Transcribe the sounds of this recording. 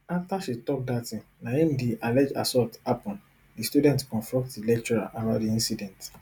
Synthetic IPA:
aftaʃitɔk̚datĩnaĩmdiʔalɛd͡ʒa̰sɔtapɔ̃n | distjudɛ̃ntkɔ̃nfɹɔ̃k̚tdilɛk̚t͡ʃɔɹaʔanadiĩnsidɛ̃nt

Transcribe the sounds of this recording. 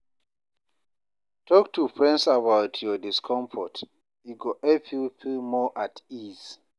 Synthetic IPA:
tʰɔktʰufɹɛ̃ndsabawtʰjɔdiskʰɔ̃ɱfɔt | iɡɔʔɛfjufilmɔʔatiz

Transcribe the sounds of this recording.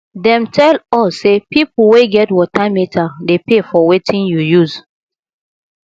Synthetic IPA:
dɛ̃mtʰɛlɔsːepipulweɡɛtwɔtamitʰadepefɔwetʰĩnjujuz

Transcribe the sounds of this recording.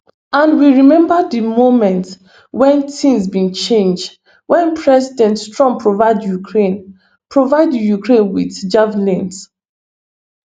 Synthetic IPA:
ãndwiɹimɛ̃mbadimomɛ̃nt | wɛ̃ntĩnzbĩnt͡ʃẽnd͡ʒd | wɛ̃npʰɹɛzidɛ̃nttɹɔ̃mppːɹovaɪdjukʰɹẽn | pɹovaɪdjukɹẽnwiθd͡ʒavlĩns

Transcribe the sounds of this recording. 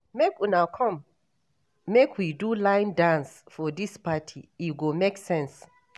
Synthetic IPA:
mekinakʰɔ̃mː | ekʰwidulãɪ̃ndãnsfɔdispatʰiiɡomeksɛ̃ns

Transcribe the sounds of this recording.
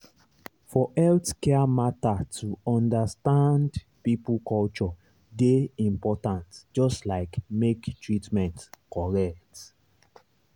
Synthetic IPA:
fɔʔɛltkɛmatatʰuɔ̃ndastãnd | pipukɔlt͡ʃɔ | deĩmpɔtãntd͡ʒɔstlaɪkmektɹitmɛ̃ntkɔɹɛk̚t

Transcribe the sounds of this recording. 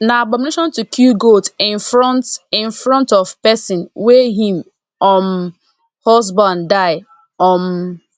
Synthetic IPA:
naabɔ̃mineʃɔ̃ntukʰjuɡotɪ̃nfɾɔ̃ntɪ̃nfɾɔ̃ntɔv̥pɛsɪ̃nwɛɦĩm | ɔm | hɔzbãndaɪ | ɔm

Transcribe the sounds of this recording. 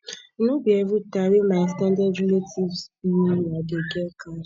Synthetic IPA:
nubieɾutaɾimastãndadɾeletʰivsunadeɡɛka

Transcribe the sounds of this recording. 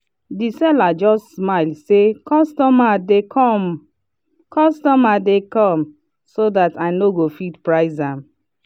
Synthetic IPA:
disɛlad͡ʒɔstsmaɪlsekɔstɔmadeɔm | kɔstɔmadekɔ̃m | sodataɪnoɡofitpɹaɪzãm

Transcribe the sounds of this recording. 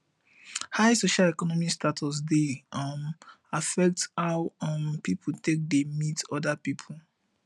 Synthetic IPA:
haɪsoʃalɛkɔnɔmistatʰɔs̬dem | afɛk̚thaʊɔmpipʰul̩tek̚demitɔdapipʰul

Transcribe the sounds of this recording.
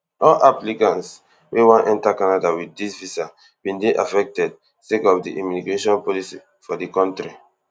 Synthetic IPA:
ɔlʔaplikãns | wewãnʔɛ̃ntakanadawidisvisa | b̥ĩndeʔafɛk̚tɛd̚ | sekɔfdiʔɔmuniɡɹeʃɔ̃npɔlisi | fɔdikɔ̃ntɹi

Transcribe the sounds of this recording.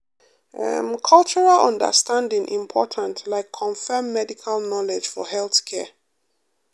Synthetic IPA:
ɛ̰mkʰʌlˠt͡ʃəɹalʌ̰̃ndə̰stʰãndɪ̃ŋʔḭ̃mpʰɔtʰãntʰlaɪkʰːɔ̃ɱfɛmːɛdikʰalnɔlɛd͡ʒ̥fɔ̰hɛlˠθkʰɛ

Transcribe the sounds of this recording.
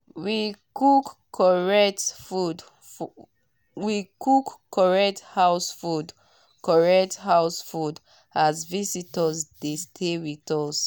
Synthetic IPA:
wikukʰː | ɔɹɛtfud | wikʰukːɔɹɛk̚thawsfud | kɔɹɛk̚thawsfud | azvisitɔzdestʰewitɔs

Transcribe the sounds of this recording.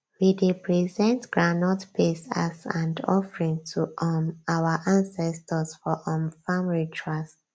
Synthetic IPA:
widipɹizɛ̃ntɡ̥ɹanɔtpʰesa̰sãndɔ̰fɹĩŋtʰuʔɔmawaʔãnsɛstʰəsfɔʔɔ̃mfamlitʰɹast

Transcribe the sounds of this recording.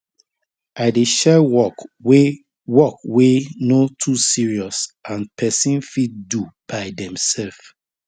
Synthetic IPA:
aɪdeʃɛwɔ | wɔkwenotʰusiɹiɔsʔãnpʰɛsĩnfitdub̥aɪdɛ̃msɛlf

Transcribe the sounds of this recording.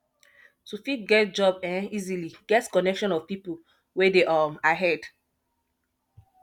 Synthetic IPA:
tufit̚ɡɛt̚d͡ʒɔbɛ̃niziliɡɛtkɔnɛkʃɔ̃nɔv̥pipu | wedeʔamaɦɛd

